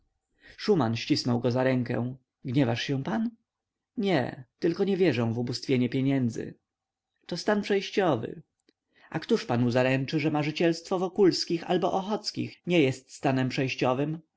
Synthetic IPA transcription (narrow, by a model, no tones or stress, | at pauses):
ʂumanɕt͡ɕisnɔwɡɔzaɾɛŋkɛ̰̃w̃ | ɡɲɛvaʂɕɛ̃pan | ɲɛ̰t̪ɘlkɔɲɛvʲjɛʐɔ̃w̃vubust̪fʲjeɲɛpʲjeɲɛnd̪zɘ̰ | t̪ɔst̪anpʂɛjɕt͡ɕɔvɘ̰ | ʔakt̪uʂpanuzaɾɛnt͡ʂɘʐɛmaʐɘt͡ɕɛlst̪fɔvɔkulskʲixa̰lbɔʔɔxɔt̪skʲḭxɲɛjɛst̪st̪anɛmpʂɛjɕt͡ɕɔvɘm